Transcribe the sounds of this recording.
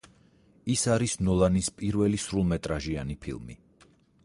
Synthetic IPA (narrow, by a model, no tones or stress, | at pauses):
isaɾisnɔlˠanispʼiɾvɛlisɾulˠmɛt̪ʼɾaʒianipʰḭlˠmḭ